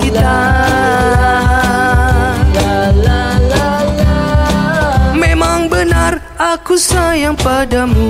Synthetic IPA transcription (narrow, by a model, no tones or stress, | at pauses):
kit̪a | memaŋbənar | akusajaŋpadamu